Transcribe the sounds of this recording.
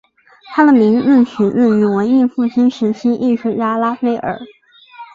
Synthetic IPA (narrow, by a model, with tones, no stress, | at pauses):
t̪ʰa˥d̪ə˨mi˧˥ŋ̩˥˩ɕy˧˥n̩˥˩ny˧˥wə˧˥ni˥˧nfu˥˩ɕʰi˥nʂɻ̩˧˥ɕʰi˥nʔi˥˧ʂu˥˩ja˥la˥fe˥ɪʔə̰˞˨˩˦